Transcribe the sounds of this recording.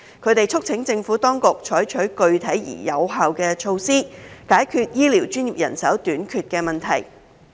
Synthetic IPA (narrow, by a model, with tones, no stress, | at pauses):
kʰɵ˨˧ɥt̪e˨jt͡ʃʰʊ˥k̚t͡sʰɪ˨˥ŋt͡sɪ˧ŋfuː˨˥t̪ɔː˥ŋkʊ˨k̚t͡ʃʰɔː˨˥jt͡ʃʰɵ˨˥ɥkɵ˧ɥt̪ʰɐ˨˥jjḭː˨˩jɐ˨˧wɦaː˨wkɛː˧t͡ʃʰo˧wsiː˥kaː˨˥jkʰyː˧t̚jiː˥li˨˩wt͡ʃyː˥njiː˨p̚jɐ̰˨˩nsɐ˨˥wt̪yː˨˥nkʰyː˧t̚kɛː˧mɐ˨˩nt̪ʰɐ̰˨˩j